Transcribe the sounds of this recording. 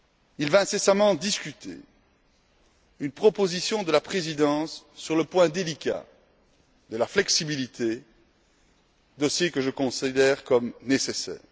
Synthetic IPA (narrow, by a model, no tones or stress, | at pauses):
ilvɛ̃sesamɑ̃d̪iskʲyt̪ʰḛ | ynpχɔpozisjɔ̃d̪əlapχezid̪ɑ̃sːyʁləpwɛ̃d̪elikʲa̰ | d̪əlaflɛksibilit̪ʰe | d̪ɔsjekəʒəkɔ̃sid̪ɛʁkɔmnesesɛ̰ːʁ